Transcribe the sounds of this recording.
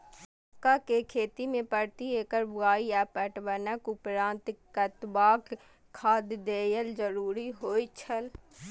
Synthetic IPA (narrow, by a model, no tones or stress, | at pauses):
kakekʰeːt̪imẽpəɾt̪ieːkəɾbaːiɛːpəʈbənəkʊpɾãːnt̪kət̪baːk | kʰːaːd̪d̪eːjəld͡ʒəɾuːɾiɦoːit͡ʃʰəl